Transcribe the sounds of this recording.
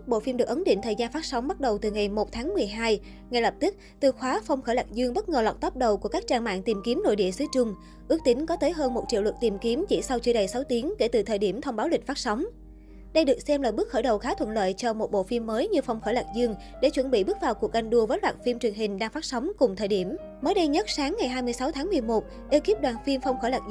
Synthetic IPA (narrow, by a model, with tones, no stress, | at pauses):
ɓo̰˧˨fi˧mɗɨ˨˩ək̚ʔə˨˦nɗḭ˧˨ŋ̟t̪ʰəː˨˩jzaː˧nfaː˦˥t̚sa˨˦wŋ͡mɓa˦˥t̚ɗə˨˩wt̪ɨ˨˩ŋa˨˩jmo˨˩t̚t̪ʰaː˨˦ŋmɨ˨˩əjɦaː˧j | ŋa˨˧˩jlə˨˩p̚t̪ɨ˦˥k̚t̪ɨ˨˩xwaː˨˦fa˧wŋ͡mxəː˧˩la̰ː˨˩k̚zɨ˧əŋɓə˦˥t̚ŋəː˨˩la̰˨˩k͡p̚t̪ɔː˦˥p̚ɗə˨˩wku˧˩əkaː˦˥k̚t͡ɕaː˧nma̰ː˧˨nt̪i˨˩mki˨˦mno̰˧˨jɗḭ˧˨əsɨ˨˦t͡ɕʊ˧ŋ͡m | ʔɨ˦˥ək̚t̪ï˨˦ŋ̟kɔ˨˦t̪əː˨˦jɦəː˧nmo˨˩t̚t͡ɕḭ˧əwlwə˨˩t̚t̪i˨˩mki˨˦mt͡ɕḭ˧˩sa˧wt͡ɕɨ˧əɗə˨˩jsa˨˦wt̪i˨˦əŋke˧˩t̪ɨ˨˩t̪ʰəː˨˩jɗi˧˩əmt̪ʰə˧wŋ͡mɓaː˨˦wlï̟˨˩faː˦˥t̚sɔ˨˦wŋ͡m | ɗə˧jɗɨ˨˩k̚sɛ˧mlaː˨˩ɓɨ˦˥k̚xəː˧˩ɗə˨˩wxaː˨˦t̪ʰwə̰˧˨nlə̰ː˧˨jt͡ɕɔ˧mo˨˩t̚ɓo̰˧˨fi˧mːəː˨˦jɲɨ˧fa˧wŋ͡mxəː˧˩laː˨˩k̚zɨ˧əŋ | ɗe˧˩t͡ɕwə˧˩nɓḭ˧˨ɓɨ˦˥k̚vaː˨˩wku˨˩ək̚ʔa˧jŋ̟ɗu˧əvəː˨˦jlwaː˨˩t̚fi˧mt͡ɕwi˨˩əŋɦï˨˩ŋ̟ɗaː˧ŋfa˦˥t̚sa˨˦wŋ͡mkʊ˨˩ŋ͡mt̪ʰəː˨˩jɗi˧˩əm | məː˨˦jɗə˧jɲə˦˥t̚saː˨˦ŋːa˨˩jɦaː˧jmɨ˧jsa˨˦wt̪ʰaː˨˦ŋmɨ˨˩əjmo˨˩t̚ | ɗe˧wki˦˥p̚ɗwaː˨˩nfi˧mfɔ˧wŋ͡mxəː˧˩laː˨˩